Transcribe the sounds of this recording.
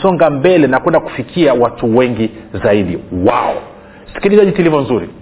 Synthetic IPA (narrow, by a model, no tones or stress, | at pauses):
sɔŋɡambɛlɛnakwɛndaku̥fikʰiawatuwɛŋɡizaiɗiwa̰ɔ̰ | si̥kilizaʄitilivɔnzuɾi